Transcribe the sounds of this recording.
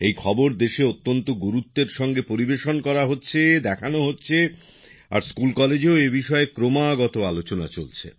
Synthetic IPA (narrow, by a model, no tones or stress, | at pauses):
ejkʰɔboɾd̪eʃeot̪ːont̪oɡuɾut̪ːeɾʃɔŋɡepoɾibeʃonkɔɾaɦotːɕʰed̪ɛkʰanoɦotːɕʰe | a̰ɾskulkɔled͡ʑeoebiʃɔekɾomaɡɔt̪oalot͡ɕona̰t͡ɕolt͡ɕʰḛ